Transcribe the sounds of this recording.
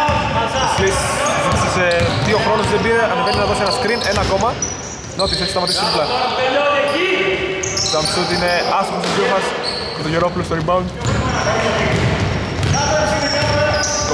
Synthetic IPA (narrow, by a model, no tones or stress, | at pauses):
ɐsisit̪isɐseðio̞xɾo̞nozðebiɾeɐneveninɐðo̞senɐskɾine̞nɐko̞mɐ | not̪ise̞çist̪ɐmɐt̪isimplɐelonɐci | t̪ɐmsut̪ineɐsomost̪uzjumɐs | kɐt̪oʝeɾopulost̪oɾibɐun